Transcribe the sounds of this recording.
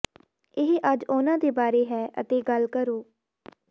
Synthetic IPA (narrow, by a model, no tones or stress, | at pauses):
ɪɦʔəd͡ʒoːnãːd̪eːbaːɾeːɦɛːʔə̰t̪eːɡəlkəɾoː